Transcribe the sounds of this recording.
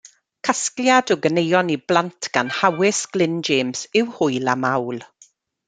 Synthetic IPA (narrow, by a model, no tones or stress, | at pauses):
kʰaskljadɔɡənejɔniblˠantʰɡ̥anhawɪsɡ̥lɪnd͡ʒeːmsɪwhʊɨlˠa̰mawlˠ